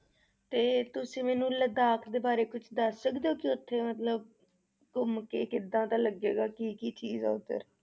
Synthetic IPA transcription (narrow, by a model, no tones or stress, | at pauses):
t̪eːt̪ʊsĩːmɛːnũːləd̪aːkʰd̪eːbaːɾeːkʊt͡ʃʰd̪əssəkd̪eoːkɪʊt̪ʰːeːmət̪ləb̚ | kʊmkeːkɪd̪ãːt̪ãːləɡḛːɡaːkiːkiːt͡ʃiːzɛ̰ːʊt̪ə̰ɾ